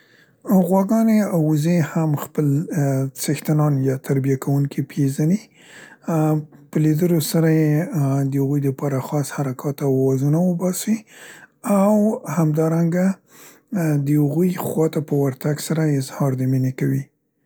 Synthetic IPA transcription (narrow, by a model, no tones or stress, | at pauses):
ɣwɑɡɑneawzehamxpəlt͡səxt̪anɑnjɑt̪ʰaɾbijakʰawuŋkʰipʰezani | pəlid̪əlosaɾajed̪əhaɣujd̪əpɑɾaxɑshaɾakʰɑt̪awwɑzunawəbɑsi | awhamd̪ɑɾaŋɡa | d̪əhaɣujxwɑt̪apəwaɾt̪aɡsaɾaɪzhɑɾd̪əmɪnekawi